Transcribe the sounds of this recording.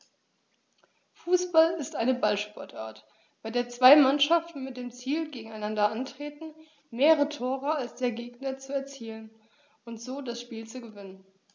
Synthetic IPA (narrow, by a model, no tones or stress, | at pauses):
fuːsb̥alɪstʔaɪnəbalʃpɔɐtʔaːɐt | b̥aɪdeːɐt͡sv̥aɪmanʃaftn̩mɪt̚d̥eːmt͡siːlɡeːɡŋ̩aɪnandɐʔantʁ̥eːtn̩ | meːʁəʁ̞ətʰoːʁəalsd̥eːɐɡeːɡ̚nɐt͡suɛɐt͡siːlən | ʔʊntz̥oːdasʃpiːlt͡suɡəvɪnən